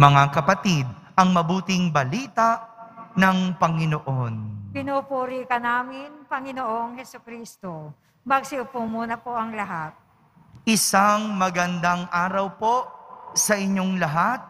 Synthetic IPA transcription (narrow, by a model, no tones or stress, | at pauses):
mɐŋakɐpɐt̪id̪̚ | ʔɐŋmɐbuːt̪ɪŋbɐliːt̪ɐʔnɐŋpɐŋɪnoʔonpɪnupuːɾikɐnaːmɪnpɐŋɪnoʔoŋhɛsʊkɾiːst̪o | mɐɡsɪʊpumuːnɐpoʔɐŋlɐɦat̪̚ | ʔɪsaŋmɐɡɐnd̪aŋʔaːɾɐwpo̞sɐʔɪɲːo̞ŋlɐɦat̪̚